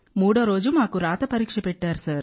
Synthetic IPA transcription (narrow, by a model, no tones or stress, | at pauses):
muːɽɐɾoːd͡ʒɯmaːkːɯɾaːt̪ɐpɐɾikʂɐpɛʈːaːɾsaːɾ